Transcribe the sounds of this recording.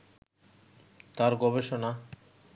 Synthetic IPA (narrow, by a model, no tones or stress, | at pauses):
t̪aɾɡɔbeʃona